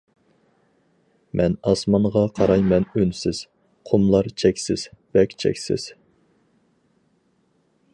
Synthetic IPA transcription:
mʔɛnɑsmɑɴʁɑqʰɑɾɑjmɛnønsɪz̥ | qʰomlˠɑɾt͡ʃʰɛkʲsɪz̥bɛkʲt͡ʃʰɛ̰kʲsɪ̰z̥

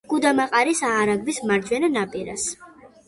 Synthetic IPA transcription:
ɡ̥ud̪amaqʼaɾisaːɾaɡbismaɾd͡ʒwɛnanapʼiɾa̰s

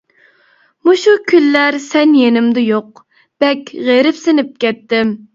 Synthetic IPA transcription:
muʃukʲʰylːæɾsɛnjenɪmd̪ɪjoq̚ | b̥ɛkʲʁeɾɪpsɪnɪp̚kʲɛt̪ːɪm

